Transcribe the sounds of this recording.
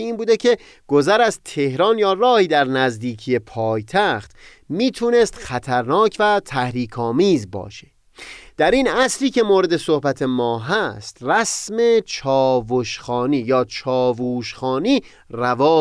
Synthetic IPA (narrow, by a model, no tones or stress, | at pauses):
iːnbuːd̪ecʰe | ɡ̥o̞zæɾæzt̪ʰehɾɒːnjɒːrɒːhiːd̪æɾnæzd̪iːkʰije̞pʰɒːjt̪ʰæxt̪ | miːt̪ʰuːne̞st̪xæt̪ʰæɾnɒːcʰvæt̪ʰæhɾiːkʰɒːmiːzbɒ̰ːʃe̥ | d̪̥æɾinæsɾiːkʰe̞moːɾe̞d̪e̞sohbæt̪ʰe̞mɒːɦæst̪ræsme̞t͡ʃʰɒːvoʃxɒːniːjɒːt͡ʃʰɒːvuːʃxɒːniː | rævɒː